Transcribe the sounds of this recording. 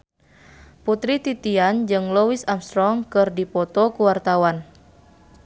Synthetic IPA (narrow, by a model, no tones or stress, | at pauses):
put̪ɾit̪it̪iand͡ʒɨŋlɔwisamst̪ɾɔŋkɨrdipɔt̪ɔkuwart̪awan